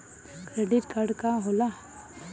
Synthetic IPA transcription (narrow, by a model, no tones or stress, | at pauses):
kɾeɖɪʈkaɾɖkaɦola